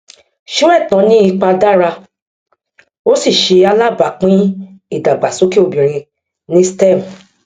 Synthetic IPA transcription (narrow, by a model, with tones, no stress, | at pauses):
ʃu˦ɛ˦˨tã˨˦nĩ˦i˧k͡pa˧da˦ɾa˧ | o˦si˦˨ʃe˧a˧la˦˨ba˨k͡pĩ˦i˦˨da˨ɡ͡ba˨so˨˦ki˦o˧bĩ˨ɾ̃ĩ˧ | nĩ˦stɛ˦˨m˨